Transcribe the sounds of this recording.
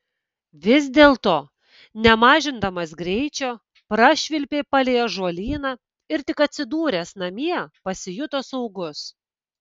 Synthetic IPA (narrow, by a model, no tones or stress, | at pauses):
ʋʲɪzʲd̪ʲeːlˠt̪oː | nʲɛmɑːʒʲɪnd̪ɐmɐsɡɾʲɛɪt͡ʃʲoː | pɾɐʃʲʋʲɪlʲpʲeːpɐlʲeːjoːʒuɔlʲiːnɐ | ɪɾt̪ʲɪkɐt̪ʲsʲɪd̪uːɾʲeːsnɐmʲiɛpɐsʲɪjʊt̪osɔʊɡʊs